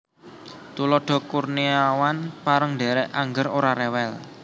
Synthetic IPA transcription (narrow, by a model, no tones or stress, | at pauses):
t̪ulɔɖ̥ɔ̤kurniawanpaɾəŋɖe̤ɾɛʔaŋɡəɾoɾaɾɛwɛl